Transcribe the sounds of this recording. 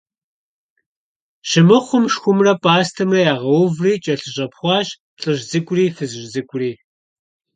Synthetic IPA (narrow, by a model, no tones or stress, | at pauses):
ɕɪmɨχʷʊmʃxʷʊmrɐpʼaːstʰɐmɐjaːʁɐwʊvriːt͡ʃʼɐɬɨɕʼɐpʰχʷɑːɕ | ɬʼɨʑzɨkʷʼʊriːfɨzɨʒzɨkʷʼriː